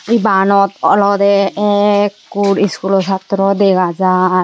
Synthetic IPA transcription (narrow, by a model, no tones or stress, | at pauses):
ibanɔt̪ɔlɔd̪ɛɛkːuɖiskulɔsat̪ɾɔd̪ɛkad͡ʒa